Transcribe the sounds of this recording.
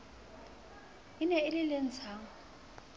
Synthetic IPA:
ɪnɛɪlɪlɪn̩t͡sʰaːŋ

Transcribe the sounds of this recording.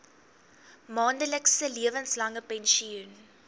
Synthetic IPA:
mɑːndəlɛksəliəvənslɐŋəpɛnʃiun

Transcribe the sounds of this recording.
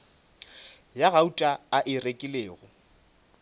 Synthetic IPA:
jaɣautʼaaʔɪrekʼɪleːɣʊ

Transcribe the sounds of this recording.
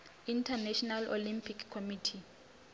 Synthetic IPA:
intʰanɛʃɔnalo̰limpʰikʰkʰːomitʰi

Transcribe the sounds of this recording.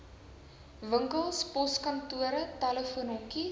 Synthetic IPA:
vəŋkəlˠspɔskɐntuəɾətaləfuənɔki

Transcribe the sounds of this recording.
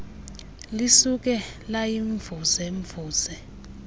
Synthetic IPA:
lisuk̬ɛlajiɱvʱusɛɱvuːsɛ

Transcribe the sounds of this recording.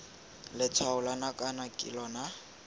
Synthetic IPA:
lɪt͡sʰwaʊlanakʼanakʼḭlɔna

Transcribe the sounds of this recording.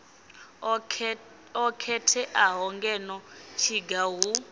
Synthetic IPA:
ɔkʰɛtʰɛʔaɦɔŋɡɛnɔt͡ʃʰiɡaɦu

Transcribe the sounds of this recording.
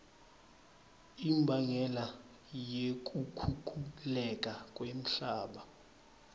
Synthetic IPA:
imbʱaŋɛla | jek̬ʼukʰukʰʼulɛk̬ʼakʼwem̩ɬaːɓa

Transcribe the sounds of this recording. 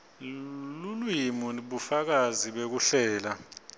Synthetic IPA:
lulwimuɓufak̬aziɓek̬uɬɛːla

